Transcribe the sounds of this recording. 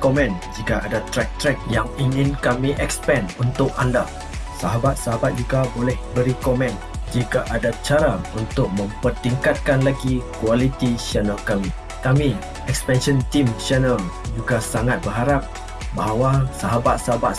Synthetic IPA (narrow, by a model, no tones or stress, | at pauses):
komɛ̃nd͡ʒikaʔadat̪ɾɛk̚t̪ɾɛk̚jaŋiŋɪ̃nkamĩʔɛkspɛnunt̪ʊk̚anda̰ | saɦabat̪̚saɦabat̪̚d͡ʒuɡabolɛhbəɾikomɛ̃n | d͡ʒikaʔadat͡ʃaɾaunt̪ʊk̚mə̃mpərt̪iŋkat̪̚kanlaɡikualit̪iʃɛnəlkami | kami | ɛkspɛnʃənt̪imʃɛnəld͡ʒuɡasaŋat̪̚bərɦaɾap̚ | baɦawasaɦabat̪̚saɦabat̪̚